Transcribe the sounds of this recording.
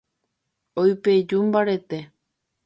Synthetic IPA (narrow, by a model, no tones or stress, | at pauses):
ojped͡ʒumbaɾet̪e